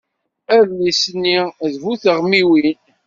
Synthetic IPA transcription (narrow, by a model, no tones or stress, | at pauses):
æðlisənːiðvuθəʁmiwin